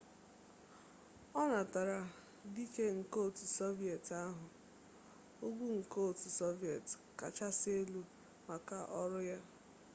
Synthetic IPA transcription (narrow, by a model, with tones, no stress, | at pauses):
ɔ˦na˨ta˨ɾa˨ | di˦ke˦ŋ̩˨ko˦˨tso˦vi˨e˨ta˦ɦʊ˨ | o˦ɡʷu˦ŋ̩˨ko˦˨tso˦vi˨e˨t | ka˨t͡ʃa˦sɪ˦e˦lu˦ | ma˨ka˨ʔɔ˦ɾʊ˦ja˦